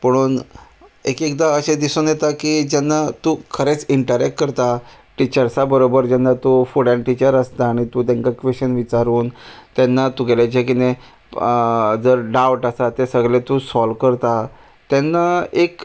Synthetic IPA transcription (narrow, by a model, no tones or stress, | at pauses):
pəɽ̃uːn | ekekd̪aəɕed̪isunjet̪akid͡ʑanːat̪ukʰəɾet͡siɳʈəɾɛkʈ̚kəɾt̪a | ʈit͡ɕəɾsabəɾobəɾd͡ʑanːat̪ufuɽãɳʈit͡ɕəɾəst̪aːɽ̃it̪ũt̪ãŋkakʋeɕənʋit͡ɕaɾuːnt̪anːat̪uɡelat͡ɕekine | d͡zəɾɖawʈasat̪esəɡlẽt̪usɔlkəɾt̪a | t̪janːaek